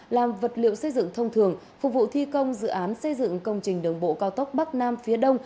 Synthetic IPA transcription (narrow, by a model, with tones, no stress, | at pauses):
laː˨˩mvə˨˩t̚lḭ˧˨əwsə˧jzɨ̰˧˨ŋt̪ʰə˧wŋ͡mt̪ʰɨ˨˩əŋ | fʊ˨˩k͡p̚vṵ˧˨t̪ʰi˧kə˧wŋ͡mzɨ̰˧˨ʔaː˨˦nsə˧jzɨ̰˧˨ŋkə˧wŋ͡mt͡ɕï˨˩ŋ̟ɗɨ˨˩əŋɓo̰˧˨kaː˧wt̪ə˦˥wk͡p̚ɓa˦˥k̚naː˧mfi˨˦əɗə˧wŋ͡m